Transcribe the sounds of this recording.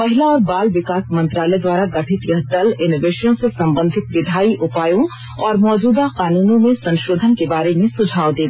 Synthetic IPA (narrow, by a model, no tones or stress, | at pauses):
pɐɦɪlaɔːɾbaːlʋɪkaːsmɐ̃nt̪ɾaːlɛd̪waːɾaɡɐʈʰɪt̪jɐɦd̪ɐlɪnoːʋeːʃəõsesɐ̃mbə̃nd̪ʱɪt̪ʋɪd̪ʱaːiʔʊpaːjõ | ɔːɾmɔːd͡ʒuːd̪aqaːnuːnõmẽsɐ̃nʃoːd̪ʱənkebaːɾemẽsʊd͡ʒʱaːod̪eːɡ̪